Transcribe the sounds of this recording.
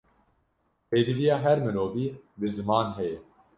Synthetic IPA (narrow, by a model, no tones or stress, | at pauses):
peːd̪ɨvijɑːɦɛɾmɨnoːviːbɨzɨmɑːnɦɛjɛ